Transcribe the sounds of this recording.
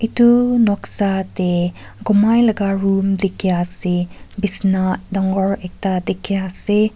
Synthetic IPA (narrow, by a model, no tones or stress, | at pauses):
itunɔksateɡɔmajlɐɡaɾumdekʰːijasebisnadɔŋɡɔɾek̚tadekʰːijase